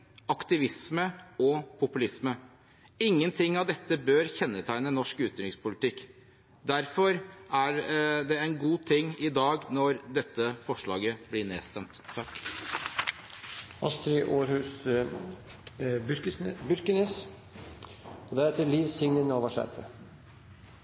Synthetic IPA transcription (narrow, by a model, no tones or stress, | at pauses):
ɑkt̪ɪʋɪsməɔpʰʊpʉlɪsmə | ɪŋːənt̪ʰɪŋːɑʋd̪ɛt̪ːəbøːɾçɛnːət̪ʰæɪnənɔʂkʉːt̪ʏɪŋspʰʊlɪt̪ʰɪkː | d̪æɾfɔɾæɾd̪ɛænɡuːt̪ʰɪŋːɪd̪ɑːɡnɔɾd̪ɛt̪ːəfɔʂɭɑ̰ːɡəblɪnḛːst̪ɛmt̪ʰːɑkː | ɑst̪ɾɪʔoːɾhʉːs | ɾbʏɾkənəs | ɔd̪æɾɛt̪əliːʋsɪŋnənoːʋəʂæ̰ɾfə